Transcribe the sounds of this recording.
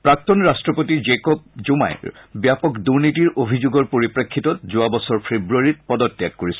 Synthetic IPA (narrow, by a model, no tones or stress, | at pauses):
pɹak̚t̪ɔnɹastɹɔpotid͡ʒekɔp̚zuma̰jbjapɔkduɹnitiɹʔobʱizoɡɔɹpoɹipɹakʰːitɔtzʊabɔsɔɹpʰebɹuaɹit̚pɔdɔtːjakkːoɹisɛ